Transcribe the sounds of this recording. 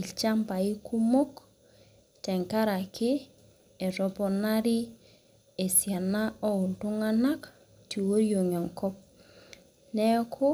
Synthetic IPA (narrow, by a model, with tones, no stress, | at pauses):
i˨t͡ʃa˦mpa˨i˦ku˦mo˦k | tɛ˨ŋka˦ɾa˨kʰɪ˦ | ɛ˨ɾɔ˨pɔ˨na˦ɾɪ˦ | e˨sja˨na˦ɔ˦ʊ˨ntʊ˦ŋa˦na˦k | ti˨wo˦ɾjo˨ŋɔ˨ŋkɔ˦p̚ | nɛ˦kʰɔ˦